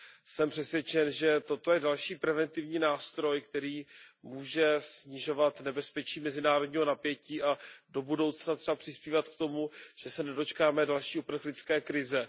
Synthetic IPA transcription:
sɛmpr̝̥ɛsvjɛt͡ʃɛnʒɛt̪o̞t̪o̞jɛdalʃiːpɾɛvɛnt̪ɪvɲiːnaːst̪ɾo̞jkt̪ɛɾiːmuːʒɛsɲɪʒo̞vat̪nɛbɛspɛt͡ʃiːmɛzɪnaːɾodɲiːɦo̞napjɛciːʔado̞budo̞wt͡snat̪r̥ɛapr̝̥ɪspiːvat̪k̚t̪o̞muʒ̥ɛsɛnɛdo̞t͡ʃkaːmɛdalʃiːʔupr̩xlɪt͡skɛːkɾɪzɛ

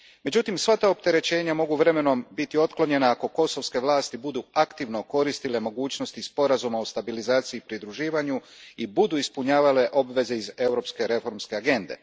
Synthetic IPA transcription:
me̞d͡ʑut̪imsʋat̪aop̚t̪e̞ɾe̞t͡ɕe̞ːɲamo̞ɡuʋɾe̞me̞no̞mbit̪io̞t̪klo̞ɲe̞naako̞ko̞so̞ʋske̞ʋlaːst̪ibud̪uakt̪iʋno̞ko̞ɾist̪ile̞mo̞ɡuːt͡ɕno̞st̪ispo̞ɾazumaost̪abilizaːt̪siiːpɾid̪ɾuʒiːʋaɲuibud̪uispuɲaːʋale̞ʔo̞bʋe̞ze̞ize̞uɾo̞pske̞ɾe̞fo̞ɾmske̞aɡe̞nd̪e̞̰

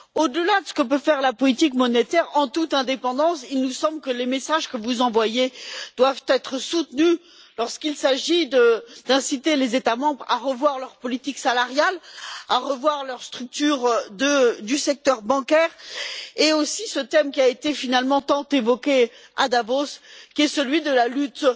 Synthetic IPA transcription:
od̪əlad̪əsə̥kəpøfɛʁlapɔlit̪ikmɔnet̪ɛʁɑ̃t̪ut̪ɛ̃d̪epɑ̃d̪ɑ̃silnusɑ̃blkəlemesaʒkəvuzɑ̃vwajed̪̥wavt̪ɛt̪χəsut̪ny | lɔʁskilsaʒid̪əd̪ɛ̃sit̪elezet̪amɑ̃bʁa̰ʁəvwaʁlœʁpɔlit̪iksalaʁjalaʁəvwaʁlœʁst̪χyk̚t̪yʁd̪əd̪ysɛk̚t̪œʁbɑ̃kʲɛʁeosisət̪ɛmkʲiaet̪efinalmɑ̃t̪ɑ̃t̪evɔkʲead̪avoskʲiɛsəlɥid̪əlalyt̪

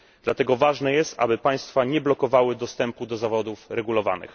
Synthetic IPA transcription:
d̪̥lat̪ɛɡɔvaʐnɛjɛst̪ʔa̰bɘpaj̃st̪faɲɛblɔkɔvawɘd̪ɔst̪ɛmpud̪ɔzavɔd̪ufɾɛɡulɔva̰nɘ̰x

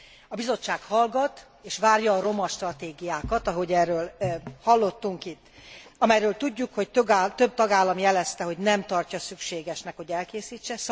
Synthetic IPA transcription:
ɒbizo̞t͡ʃːaːkhɒlɡɒt̪ | eːʃʋaːrjɒːɾo̞mɒʃt̪rɒt̪eːɡijaːkɒt̪ɒɦo̞ɟɛːrːøːlhɒlːo̞t̪ːuŋkit̪ːɒmɛjɾøːlt̪uɟːukho̞ct̪øɡt̪ø̞b̚t̪ɒɡaːlːɒmjɛlɛst̪ɛɦo̞ɟnɛmt̪ɒrcɒsykʃeːɡɛʃnɛkho̞ɟɛlkeːsiːt͡ʃːɛs

